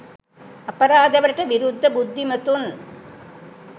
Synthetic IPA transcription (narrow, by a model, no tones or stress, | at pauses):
ɐpɐɾaːd̪ɐʋɐɾʈːɐʋiɾud̪ʱːɐbud̪ʱːimɐt̪un